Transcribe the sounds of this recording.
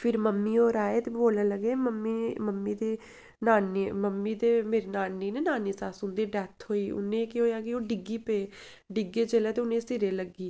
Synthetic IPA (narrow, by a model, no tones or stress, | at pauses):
pʰɪɾməmːiːoːɾaːeːt̪eːboːlẽːləɡeːməmːiːməmːiːd̪eː | naːniməmːiːd̪eːmeːɾenaːnːiːneːnaːniːsaːsʊnd̪iːɖɛːt̪ʰɦoːiːʊ̰nẽːkɪɦoːjaːkɪoːɖɪɡiːpeː | ɖɪɡeːt͡ʃəlɛːt̪eːʊnẽːsɪɾeːləɡiː